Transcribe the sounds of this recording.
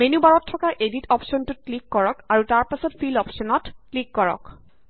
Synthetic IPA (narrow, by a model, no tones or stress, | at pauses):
menubaɹɔtʰːɔkaɹʔeditɔpsɔntʊklikːɔɹɔkaɹutaɹpasɔtfʰilɔpsɔnɔtklikːɔɹɔ̰k